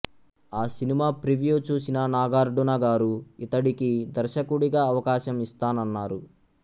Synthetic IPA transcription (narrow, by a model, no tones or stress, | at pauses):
aːsinimaːpɾiʋijuːt͡ʃuːsinɐnaːɡaːɾɖunɐɡaːɾuit̪ɐɽikid̪ɐɾʃɐkuɽiɡaːɐʋɐkaːʃɐmist̪aːnɐnːaːɾu